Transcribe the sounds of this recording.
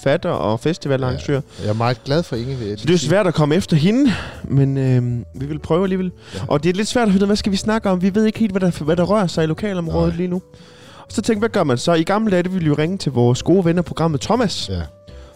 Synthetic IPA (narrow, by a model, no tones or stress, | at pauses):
fæd̥ɐʔɒ̽fesd̥iʋælɑ̈ŋsø̰ːɐ̰jamɑ̈ːɡ̥læð̞ˠfɒeŋsɒd̥esʋæɐ̰ɾ̥ɒkʰɒ̽məefd̥ɐɦe̝nəmenøʋiʋe̝lpʰʁœːʊæliːʋel̰ | ʔɒ̽d̥e̝æle̝d̥sʋæɐ̰̥ɐfeneð̩ˠʋæsɡ̥æʋisnɑ̈ɡ̥əɒ̽mʋiʋe̝ð̰ˠeɡ̥he̝̰ːld̥ʋæɾɑʋæɾ̥ɑ̈ʁɶɐsɑ̈ɪilo̝kʰɛ̰ːlɒ̽mʁɔːð̞̩ˠliːnu | ɒ̽sɒ̽t͡sʰeŋɡ̥ʋæɡ̥ɶɐmænsɒ̽iɡ̥ɑ̈ml̩d̥æd̥əʋiljo̝ʁeŋət͡sʰe̝lʋɒːsɡ̥o̝ːʋenɒpʰo̝ɡ̥ɑ̈m̰ð̩ˠt͡sʰɒ̽mæs